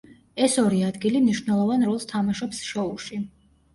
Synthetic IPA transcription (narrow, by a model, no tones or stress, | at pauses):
ɛsɔɾiad̪ɡilimniʃvnɛlˠɔvanɾɔlˠst̪ʰamaʃɔpsʃɔulˠʃi